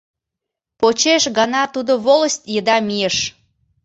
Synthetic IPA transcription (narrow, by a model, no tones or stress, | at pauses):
pot͡ɕeʃɣɑnɑt̪ud̪oβolˠəsʲt̪ʲjəd̪ɑmijəʃ